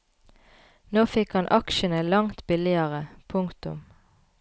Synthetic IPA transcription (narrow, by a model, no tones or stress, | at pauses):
noːfɪkhɑnʔɑkʃənəlɑŋt̪bɪlɪəʁəpʰʊŋt̪ʊ̰m